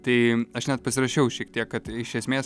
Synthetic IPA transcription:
t̪ɐɪɐʃnʲɛt̪̚pɐsʲɪɾɐʃʲɛʊʃʲiɛk̚t̪ʲiɛkkɐt̪ɪʃʲɛsʲmʲeːs

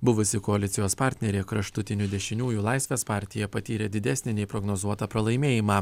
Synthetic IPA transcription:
bʊʋʊsʲɪkɔɐlʲɪt̪sʲɪjoːspɑˑɾʲt̪ʲnʲɛɾʲeɪkɾɐʃt̪ʊt̪ʲɪnʲʊd̪ʲɛʃʲɪnʲuːjuːlˠɑɪsʲʋʲeːspɑˑɾʲt̪ʲɪjɛpɐt̪ʲiːɾʲɛd̪ʲɪd̪ʲɛsʲnʲɪnʲɛɪpɾɔɡnoːzuɔt̪ɑpɾɐlˠɐɪmʲeːjɪmɑː

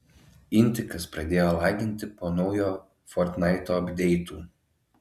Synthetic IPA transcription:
ɪnʲˑt̪ʲɪkɐspɾɐd̪ʲeːjoːlˠɑːɡʲɪnʲt̪ʲɪpoːnɒʊjoː | foɾt̪nɐˑɪt̪oːɐbʲd̪ʲɛɪt̪uː

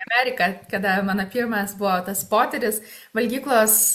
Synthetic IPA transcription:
ɐmʲæːɾʲɪkɐkɐd̪ɐmɑːnɐpʲiːɾmɐsbʊʋoːt̪ɐspoːt̪ʲɛɾʲɪs | ʋɐlʲɡʲiːklˠoːs

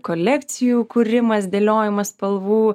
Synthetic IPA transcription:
kolʲɛkt̪sʲɪjuːkuɾʲɪmɐsd̪ʲeːlʲoːjɪmɐspɐlˠʋuː

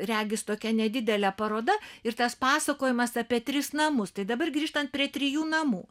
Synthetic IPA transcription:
rʲæːɡʲɪst̪oːkʲɛnʲɛd̪ʲɪd̪ʲɛlʲɛpɐɾoːd̪ɐɪrt̪ɐspɑːsɐkoːjɪmɐsɐpʲiɛt̪ʲɾʲɪsnɐmʊst̪ɐɪd̪ɐbɐrɡɾʲiːʃt̪ɐnt̪̚pʲɾʲiɛt̪ʲɾʲɪjuːnɐmuː

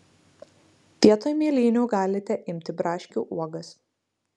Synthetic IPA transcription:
pʲiɛt̪oːjmʲiːlʲiːnʲuːɡɑːlʲɪt̪ʲɛʔɪmʲt̪ʲɪbɾɑːʃʲkʲṵːʔuɔɡɐs

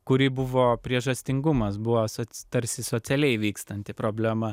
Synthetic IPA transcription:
kʊɾʲiːbʊʋoːpʲɾʲiɛʒɐsʲt̪ʲɪŋɡʊmɐsbʊʋosot̪ɐɾʲsʲɪsoːt͡ssʲɛlʲɛɪʋʲiːkst̪ɐnʲt̪ʲɪpɾoːbʲlʲɛmɐ

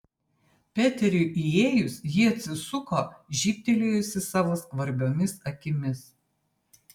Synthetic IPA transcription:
pʲæːt̪ʲɛɾʲʊʔieːjʊsjɪɐt̪ʲsʲɪsʊkoːʒʲiːp̚ʲt̪ʲɛlʲeːjʊsʲɪsɑːʋoskʋɐɾʲbʲoːmʲɪsɐkʲɪmʲɪs

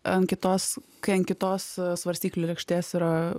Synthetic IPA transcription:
ɐnkʲɪt̪oːskɐɪɐnkʲɪt̪oːssʋɐɾʲsʲtʲiːklʲoːlʲɛkʃʲt̪ʲeːsiɾɐ

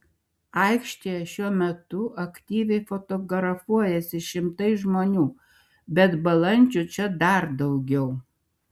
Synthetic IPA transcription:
ɐˑɪkʃʲt̪ʲejɛʃʲuɔmʲɛt̪ʊʔɐkt̪ʲiːʋʲɛɪfot̪oːɡɾɐfuɔjɛsʲɪʃʲɪmt̪ɐɪʒmoːnʲuː | bʲɛt̪bɐlˠɐnʲd͡ʒʲʊt͡ʃʲɛd̪ɐɾd̪ɐʊɡʲɛʊ

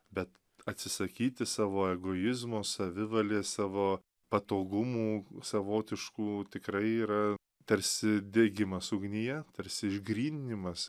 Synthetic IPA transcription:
bʲɛt̪ | ɐt̪ʲsʲɪsɐkʲiːt̪ʲɪsɑːʋoːɛɡoːjɪzmoːsɐʋʲɪʋɐlʲeːsɑːʋoː | pɐt̪oːɡʊmuːsɐʋoːt̪ʲɪʃkuːt̪ʲɪkɾɐɪiːɾɐ | t̪ɐɾʲsʲɪd̪ʲeːɡʲɪmɐsʊɡnʲɪjɛt̪ɐɾʲsʲɪɪʒɡɾʲiːnʲnʲɪmɐs

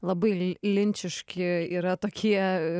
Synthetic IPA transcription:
lˠɐbɐɪlʲɪnʲt͡ʃʲɪʃkʲɪiːɾɐt̪oːkʲiɛ

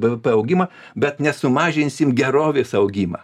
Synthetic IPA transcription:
bəʋɛpɛɐʊɡʲimɐ | bʲɛt̪nʲɛsʊmɑːʒʲɪnʲsʲɪmɡʲɛɾoːʋʲeːsɐʊɡʲiːmɐ̰

